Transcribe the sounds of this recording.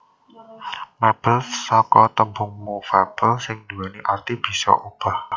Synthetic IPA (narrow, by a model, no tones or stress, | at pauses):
mɛb̥əlsɔkɔt̪əmbʊŋmofab̥əlsɪŋd̪̥uwaniʔart̪ib̥i̤sɔ̰ʔub̥a̤h